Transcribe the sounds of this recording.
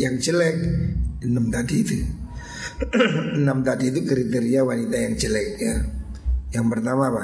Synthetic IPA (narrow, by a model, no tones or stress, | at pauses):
jaŋt͡ʃəlɛk̚ənəmt̪adit̪u | ənəmt̪adiːt̪̬ukəɾit̪eɾiawanit̪ajaŋt͡ʃəlɛk̚ja | jaŋpərt̪amapa